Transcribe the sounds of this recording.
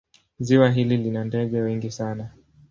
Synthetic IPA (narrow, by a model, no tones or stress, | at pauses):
ziwaɦililinandɛɠɛwɛŋɡisana